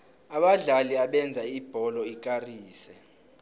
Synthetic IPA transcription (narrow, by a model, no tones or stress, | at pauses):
aɓaɮaliaɓɛnd͡zʱaib̥ʱɔlɔikʼariːsɛ